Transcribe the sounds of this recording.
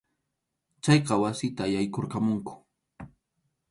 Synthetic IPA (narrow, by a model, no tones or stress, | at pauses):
t͡ʃɑjqɑwasɪt̪aːjajkoɾqamʊŋkʊ̥